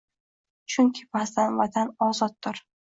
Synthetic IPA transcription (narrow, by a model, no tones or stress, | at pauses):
t͡ʃʰʊŋkʲʰɪbazd̪anvad̪anɒzɒt̪̚ːd̪ɪɾ